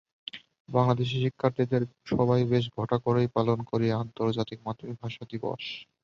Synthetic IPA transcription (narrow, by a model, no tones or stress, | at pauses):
baŋlad̪eʃ̬iʃikʰːaɾt̪id̪eɾʃɔbajbeʃ̬ɡʱɔʈakoɾejpalonkoɾieant̪oɾd͡ʑat̪ik̚mat̪ːomibʱaʃad̪ibɔ̰ʃ